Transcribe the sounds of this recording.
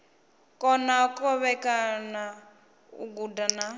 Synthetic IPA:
kʼɔnakʼɔβɛkʼana | ṵɡudana

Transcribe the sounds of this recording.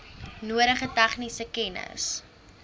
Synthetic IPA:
nuəɾəχətɛχnisəkɛnə̰s

